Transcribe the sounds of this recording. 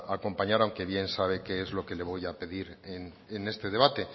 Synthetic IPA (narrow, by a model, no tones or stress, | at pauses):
ako̞mpaɲaɾawŋke̞βje̞nsaβ̞e̞ke̞ezlo̞ke̞le̞βo̞jape̞ðiɾen | ene̞st̪e̞ð̞e̞β̞at̪e̞